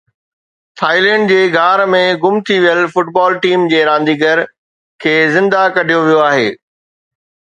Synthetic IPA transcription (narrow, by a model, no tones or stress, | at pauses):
t̪ʰaːɪlɛ̃ːɳɖd͡ʑeːɡʱaːɾmẽɡʊmt̪ʰiʋijəlfʊʈbaːlʈiːmd͡ʑeːɾãːn̆d̪iːɡəɾ | kʰeːzɪ̃nd̪akɐɖʱijoʋijoaːɦḛː